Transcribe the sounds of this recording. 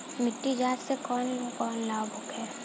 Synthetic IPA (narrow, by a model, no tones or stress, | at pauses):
mɪʈːid͡ʒaːt̪sekɔːnkɔːnlaːbʱʊkɦɛː